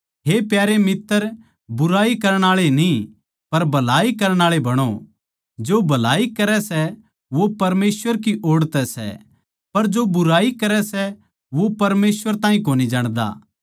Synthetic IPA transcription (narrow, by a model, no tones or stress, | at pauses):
ɦepjaːɾemɪt̪ːəɾ | bʊɾaːikɐɾəɽ̃aːɭenĩ | pɐɾbʱɐlaːikɐɾəɽ̃aːɭebʱɐɽ̃o | d͡ʒoːbʱɐlaːikɐɾɛsɛ | ʋopɐɾmeːsʋəɾkiʔoːɽt̪ɛsɛ̰ | pɐɾd͡ʒobʊɾaːikɐɾɛsɛ | ʋopɐɾmeːsʋəɾt̪ãːĩkoːnid͡ʒaːɽ̃d̪a̰ː